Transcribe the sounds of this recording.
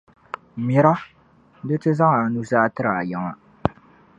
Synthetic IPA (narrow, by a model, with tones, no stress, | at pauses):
mɪ˨ɾa˦ | dɨ˦tɨ˦za˦ŋa˨nu˦zaː˦tɨ˦ɾa˨a˨jɛ˨ŋa˨